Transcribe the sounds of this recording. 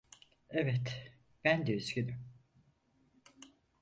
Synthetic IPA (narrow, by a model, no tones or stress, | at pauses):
ɛvɛt̪ | b̥ænd̪ɛyzɟød̪ym